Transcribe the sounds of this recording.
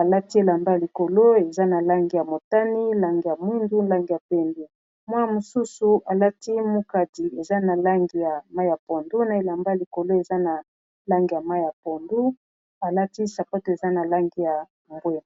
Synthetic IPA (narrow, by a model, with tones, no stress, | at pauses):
a˨la˦ti˦e˦la˨mba˦ja˨li˨ko˨lo˦e˨za˦na˨la˦ŋɡi˨ja˨mo˨ta˦ni˦la˦ŋɡi˨ja˨mwi˦ndu˦n˦la˦ŋɡi˨ja˨pe˦ndi˨ | mwa˦ja˨mo˨su˦su˨a˨la˦ti˦mu˦ka˨di˨e˨za˦na˨la˦ŋɡi˨ja˨ma˦jja˨po˨ndu˦na˨e˨la˨mba˦ja˨li˨ko˨lo˦e˨za˦na˨ | la˦ŋɡi˨ja˨ma˦ja˨po˨ndu˦ | a˨la˦ti˦sa˨pa˦to˨e˨za˦na˨la˦ŋɡi˨ja˨ | ŋɡwe˦˨